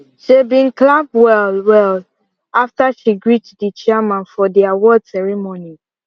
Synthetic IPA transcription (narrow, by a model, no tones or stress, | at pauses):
ʃebĩnklab̚wɛlwɛl | aftaʃiɡɹitdit͡ʃiɛmãnfɔdiawɔdsɛɹimoni